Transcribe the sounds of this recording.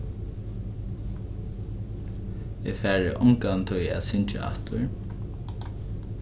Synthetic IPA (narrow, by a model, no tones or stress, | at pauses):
ɛfæːɹɪʔʊŋkant̪ʰʊjæ̰ːðsʏɲt͡ʃɪ̰ʔa̰ht̪ʊɹ